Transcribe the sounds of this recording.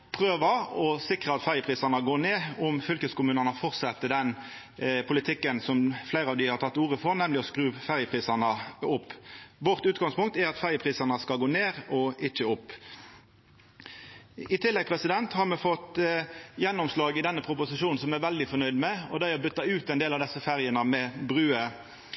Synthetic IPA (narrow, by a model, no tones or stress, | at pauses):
pʰʁøːʋəɔsɪkʁəɑt̪fæɾjəpʰɾiːsɑnɑɡoːneːʊmfʏlkəskʊmʉːnənəfɔʁt̪sɛt̪ːəd̪ɛn | pʰʊlɪt̪ʰɪkːənsɔmflæɪɾəɑʋd̪ɪhɑɾt̪ʰɑt̪ːuːʁəfɔɾnɛmlɪɔskɾʉːfæɾjəpʰɾiːsɑnɑʊpːʋɔʁt̪ʉːt̪ɡɑŋspʊŋkt̪æɾɑt̪fæɾjəpʰʁiːsɑnəskɑlɡoːneːɾɔɪt͡ʃːəʊpː | ɪt̪ʰɪlːɛɡ̚pʰɾɛsɪd̪ɛnt̪hɑɾmɛfɔt̪ | jɛnːɔmslɑːɡɪd̪ɛnːəpʰɾʊpʊsɪʃuːnn̩sɔmæʋɛld̪ɪfɔnœʏd̪mɛɔd̪æɪɑbʏt̪ːɑʉːt̪ɛɪnd̪eːlɑʋd̪ɛsːəfæɾjənəmɛbʁʉːə